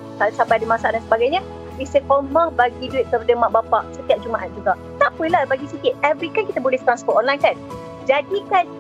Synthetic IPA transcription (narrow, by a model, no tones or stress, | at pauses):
kalsabajdimãsadansəbaɡajɲə | isəkomahbaɡiduɪtʔ̚t̪kəɾudəmaʔbapaʔsət̪iap̚d͡ʒumaʔat̪̚d͡ʒuɡaʔt̪aʔpulalbaɡisikɪt̪̚ɛvɾit̪ankit̪abolɛht̪ɾanspɔt̚ɔnlajnkan | d͡ʒadikan